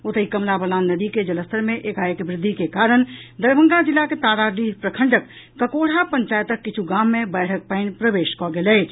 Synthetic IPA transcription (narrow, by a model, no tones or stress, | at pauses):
ot̪əikəmlabəlaːnːəd̪iked͡ʒələst̪əɾmẽʔeːkajəkbɾɪd̪ʱːikekaːɾənd̪əɾbʱə̃ŋɡad͡ʒɪlːaket̪aɾaɖipɾəkʰəɳɖəkː | əkoɽ̤apəɲt͡ʃaːjət̪əkːɪt͡ʃʰuɡaːmːẽbɛːʈʰək̚pəɪnpɾəbeːʃkɔɡelɛːt͡ʃ